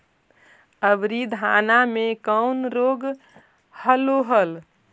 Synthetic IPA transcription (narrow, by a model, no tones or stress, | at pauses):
əbɾid̪ʱanamekənɾoɡ | həloɦəl